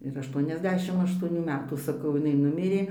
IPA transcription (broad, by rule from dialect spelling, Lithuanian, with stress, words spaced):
ɪr ɐʃˈtuɔnʲɛzʲˌdʲæːʃʲɪm ɐʃtuɔˈnʲuː ˈmʲæːtuː sɐˈkɐʊ ɪˈnɐɪ ˈnʊmʲɪrʲeː